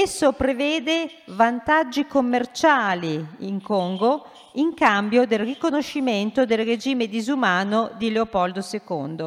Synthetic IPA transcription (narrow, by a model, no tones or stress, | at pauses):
esːopɾevɛːd̪evant̪ad͡ʒːikomːert͡ʃaːliiŋkoŋɡo | iŋkambjod̪elrikonoʃːiment̪od̪elred͡ʒiːmed̪izumaːnod̪ileopɔld̪osekond̪o